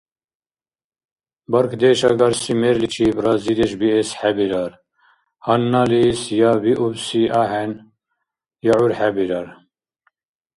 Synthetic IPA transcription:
bɐɾkʰd̪eʃɑɡɐɾsimeɾlit͡ʃʰibrɑːzid̪eʃbiesħæbiɾɑɾ | hɐnːɑlisjɑːbiʔubsiʔahɛn | jɑːʕuɾħæbiɾɑɾ

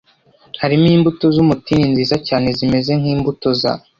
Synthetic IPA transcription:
haɾimiːmbutozumutininziːzacaːne̞zime̞ze̞ŋ̥iːmbutoza̰

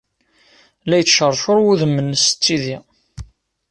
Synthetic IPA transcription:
læjt͡sːʃərˤʃʊɾwuðəmːənst͡sːiði

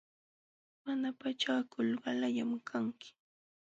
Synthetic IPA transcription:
manapat͡ʃakʊlɢɑlaʎamkʰaŋkɪ̥

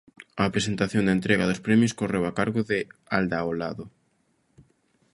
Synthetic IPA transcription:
ɐːpɾesent̪aθjoŋd̪ɐent̪ɾɛɣaðʊspɾɛmjʊskorewakaɾɣʊðɪald̪aolaðʊ

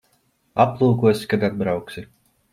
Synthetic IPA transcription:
aplˠuːkuɔsʲi̥kad̪ad̪̚bɾawksʲi

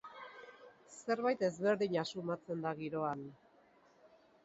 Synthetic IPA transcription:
se̞ɾβajt̪e̞zβe̞ɾðiɲasumat͡se̞nd̪aɣiɾo̞an

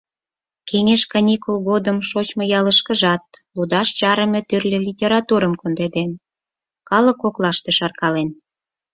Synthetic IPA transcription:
kʰeŋeʃkɑnʲikulɣod̪əmʃot͡ɕmojɑləʃkə̆ʒɑt̪̚lud̪ɑʃt͡ɕɑɾə̆mʲet̪yrlʲelʲitʲeɾɑt̪uɾəmkond̪ed̪en | kɑlə̆koklɑʃt̪eʃɑrkɑlen

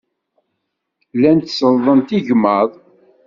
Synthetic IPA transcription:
lænt̪səlðˤənt̪iʝməðˤ

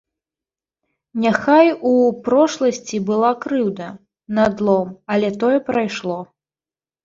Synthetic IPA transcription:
nʲaxajupɾɔʂlˠɐsʲt͡sʲibɨlˠakɾɨwd̪ɐ | nad̪lˠɔmɐlʲɛt̪ɔjɛpɾajʂlˠɔ

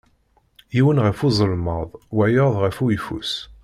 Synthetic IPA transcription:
jiwənʁæfuzˤəlməðˤwæjəðˤʁæfuifṵs

